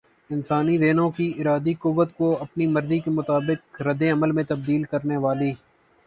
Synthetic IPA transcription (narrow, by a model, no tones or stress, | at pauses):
ɪnsaːnid̪eːnõkiɪɾaːd̪ikʊʋːət̪koɐpnimɐɾzikemʊt̪aːbɪk̚ɾɐd̪eɐməlmẽt̪ɐb̚d̪iːlkɐɾneʋaːliː